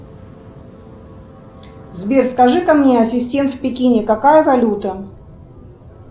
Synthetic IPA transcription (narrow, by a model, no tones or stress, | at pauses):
zbʲerskɐʐɨkɐmnʲeɐsʲɪsʲtʲe̞nt̪fpʲɪkʲinʲɪkɐkajəvɐlʲut̪ə